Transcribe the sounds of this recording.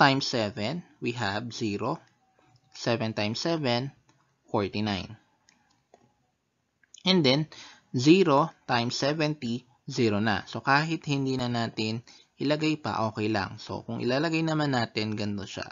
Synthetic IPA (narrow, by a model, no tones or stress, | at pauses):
t̪ajmsɛvɛnwiɦɐbziɾo | sɛvɛnt̪ajmsɛvɛn | foɹt̪ina̰jn | ʔɛnd̪ɛn | ziɾo̞t̪ajmsɛvɛnt̪i | ziɾonɐ̰so̞kaːɦɪt̪̚hɪnd̪iːnɐnaːt̪ɪn | ʔɪlɐɡajpɐ̰ʔo̞ːkɛjlɐ̰ŋso̞̰kʊŋʔɪ̰laːlɐɡajnɐmanːaːt̪ɪnɡɐnt̪oʃa̰